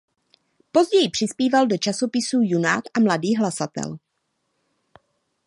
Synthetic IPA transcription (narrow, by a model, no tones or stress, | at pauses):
po̞zɟɛjɪpr̝̥ɪspiːvaldo̞t͡ʃaso̞pɪsuːjunaːt̪ʔamladiːɦlasat̪ɛ̰l